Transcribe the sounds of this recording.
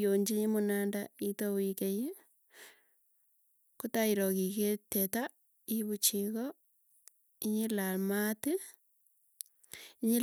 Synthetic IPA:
oɲd͡ʒiɲimonandaitowikeje | kutaiɾoɣiketeta | iβut͡ʃiɣo | iɲilalmate | iɲil

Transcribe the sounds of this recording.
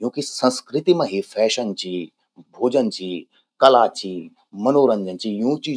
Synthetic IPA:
jũːkisɐ̃nskɾɪt̪imẽɦifʰɛːʃənt͡ɕiː | bʱoːd͡ʑənt͡ɕiː | kɐlaːt͡ɕiː | mɐnoːɾənd͡ʑənt͡ɕijũːt͡ɕiː

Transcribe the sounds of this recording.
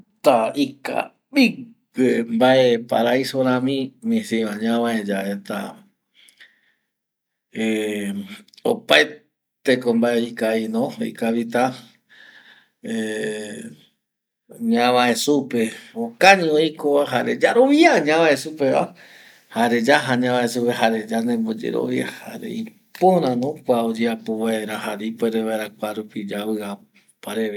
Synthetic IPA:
t̪aika̰ | ɓi | wembaʔepa̰ɾaisoɾãmĩmĩsĩʋaɲãβãed͡ʒaet̪a̰ | e | o̰paj | t̪ekombaeikainõḭkaβit̪a | e | ɲãʋãe̞supe̞okaɲĩoikoβaɦaɾe̞d͡ʒaɾoʋiaɲãʋãesupe̞βa̰ | haɾe̞d͡ʒaɦaɲãβãesupeɦaɾe̞d͡ʒanẽmbo̞d͡ʒe̞̰ɾo̰ʋia̰ha̰ɾḛi | poɾãnõkʷaod͡ʒeapoβaeɾaɦaɾipeɾeβaeɾakʷaɾupid͡ʒaβɨa | paɾeβe

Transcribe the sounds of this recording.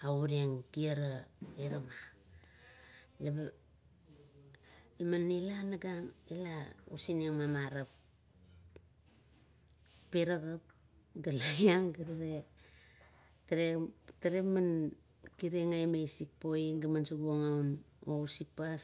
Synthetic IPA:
auɾieŋkiaɾaiɾama | leb | lamanilanaɡaŋilaṵsineŋmamaɾap | peɾaɡap̚ | ɡalajaŋɡaɾaɾe | taɾetaɾeman | kiɾeŋajmajsik̚poiɡamansuɡuaŋaun | ousipa

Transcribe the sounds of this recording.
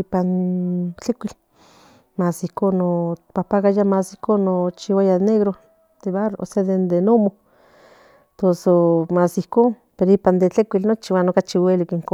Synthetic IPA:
ipant͡ɬekʷil | masihkonːopapaɣajamasihkonːot͡ʃiwajaneɣɾo | d̪eβaroʔo̰seðend̪enomo | t̪osomasihkoːn | peɾoipand̪et͡ɬekʷilnot͡ʃiwanokat͡ʃiwelikiŋko

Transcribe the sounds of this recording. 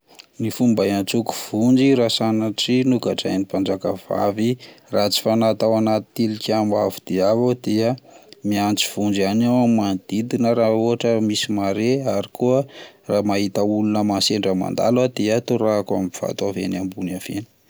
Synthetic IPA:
nifumbajant͡suku̥v̥und͡ʒiɾasanaʈ͡ʂinukaʈ͡ʂajnipand͡ʒakəv̥a̰virat͡si̥fanat̪awanat̪i̥t̪ilikʲamavu̥d̪̥iavad̪̥eəmiant͡si̥v̥und͡ʒianawmand̪̥id̪inəɾaoɦaʈ͡ʂəmisimaɾeaɾikuə | raːmaɦit̪aulunəmanseɳɖ͡ʐəma̰nd̪a̰lwəd̪̥eət̪uɾakamiv̥a̰t̪avḛnambuniavenə̥

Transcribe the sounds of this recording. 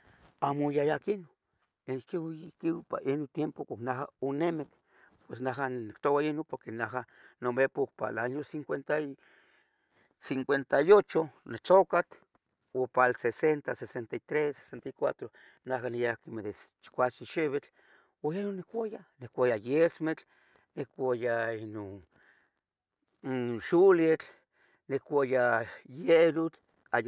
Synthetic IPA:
amojajakino | ekiwkiwpaʔinot̪jempokaknaɦaonemek | pwesnaɦannikt̪owainopoɾkenaɦa | nomepokpa̰lanjosiŋkʷent̪a | siŋkʷent̪ajot͡ʃonet͡ɬokat̪ | opalsesent̪asesent̪ait̪ɾese̥sent̪ajkʷat̪ɾo | nakanijakimeðest͡ʃkʷat͡ʃiʃeβet͡ɬ | ojanonekʷajanekʷajajesmet͡ɬ | nekʷajainon | ʃulet͡ɬ | nekʷajajeɾut͡ɬ | aj

